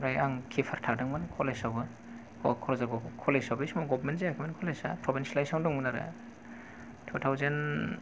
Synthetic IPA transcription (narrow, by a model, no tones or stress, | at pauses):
ɾajaŋkʰipʰaɾtʰak̚daŋmankʰɔlesabɯ | kʰkʰɔɾɔzaɡɔkʰɔlesɔbismɔɡɔbmentzeakʰimankʰɔlesapʰɾɔbinslajsawdɔŋmɯnaɾa̰ | tʰɔtʰawzen